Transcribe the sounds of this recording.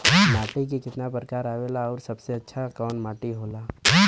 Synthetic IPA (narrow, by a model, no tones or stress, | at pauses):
maːʈik̬ikɪt̪napɾəkaːɾaːʋeːlaɔːɾsɐbseɐtːʃʰakɔːnmaːʈiɦoːlaː